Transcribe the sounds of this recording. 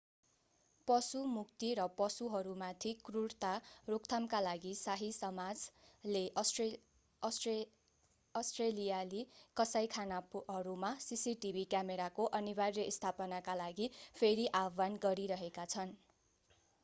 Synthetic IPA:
pʌsumukt̪iɾʌpʌsuɦʌɾumat̪ʰikruɽt̪arokt̪ʰamkalaɡisaɦisʌmad͡zle | ʌsʈrelijalikʌsajkʰanapɦʌɾumasisiʈibʱikjameɾakoʔʌnibarjʌist̪ʰapʌnakalaɡipʰeɾiʔabanɡʌɾiɾʌɦekat͡sʰʌn

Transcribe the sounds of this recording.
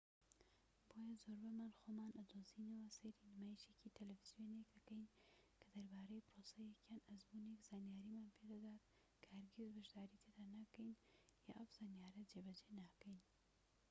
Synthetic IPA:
bojazoɾbamanxomaːnad̪ozinawaseɾinmaʃekit̪ʰelafiz̥ijonekakəjnkəd̪ɐɾbaːɾejpɾosajekjanazmunekz̥anjaːɾimanped̪ad̪aːd̪ | kʰahaɾɡezbɪʃd̪aːɾit̪ʰed̪anakəjnja̰ʔafz̥anjaɾad͡ʒebad͡ʒenakəjn

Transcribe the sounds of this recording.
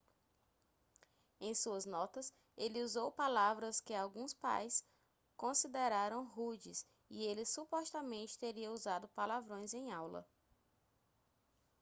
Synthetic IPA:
ẽj̃suɐznɔt̪ɐs | elɪuzowpalavɾɐskɪawɡũspa̰js | kõsid̪eɾaɾɐ̃w̃ɦud͡ʒɪs | ɪelɪsupɔst̪ɐmẽnt͡ʃɪ̥t̪eɾiɐuzad̪ʊpalavɾõj̃zẽj̃awlɐ̰

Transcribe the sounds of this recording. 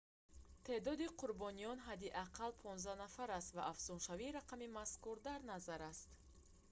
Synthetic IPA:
t̪ʰe̞d̪ɔd̪iqʰuɾbɔnijɔnɦad̪iʔaqʰalpʰɔnzd̪anafaɾast̪vaʔafz̥unʃaviɾaqʰamimaskuɾd̪aɾnazaɾast̪

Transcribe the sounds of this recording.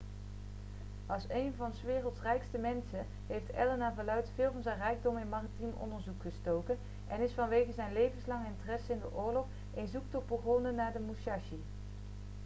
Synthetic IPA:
ɑlˠsejnvɑnsʋɪːrəlˠtrɛjkstəmɛnsə | ɦejftɛ̰lənaːvalœɥtfɪlˠvɑnzɛjnrɛjɡ̚dɔmɪnmaːritimɔ̰ndəɹzukχəstowkən | ʔɛnɪsfɑnʋejɣəzɛjnlejvənslɑŋəɪntərɛsəɪndə̰ʔʊːɹlɔχ | enzuk̚tɔt̚bəχonənaːɹdəmuʃɑʃi

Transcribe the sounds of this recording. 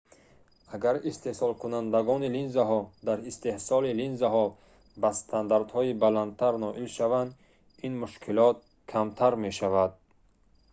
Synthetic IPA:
aɡaɾist̪e̞hsɔlkʰunand̪aɡɔnilinzaɦɔd̪aɾist̪e̞hsɔlilinzaɦɔ | bast̪ʰand̪aɾd̪hɔibalant̪ʰaɾnɔʔilʃavand̪ | inmuʃkʰilɔt̪̚ | kʰamt̪ʰaɾme̞ʃavad̪̚

